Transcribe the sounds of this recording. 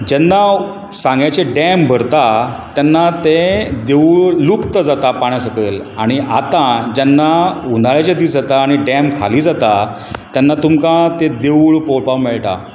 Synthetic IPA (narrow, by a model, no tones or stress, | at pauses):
d͡ʑɛnːa | sãŋɡat͡ɕeɖɛmbʱəɾt̪at̪janːat̪ed̪eɭlukt̪əd͡zat̪apaɽ̃jasəkəlaɽ̃iʔat̪ad͡ʑɛnːaund̪aɭjat͡ɕad̪iːsd͡zat̪aːɽ̃iɖɛmkʰa̰liːd͡zat̪a | t̪janːat̪umkat̪ed̪ewɭpoɭpawmiɭʈ̪a̰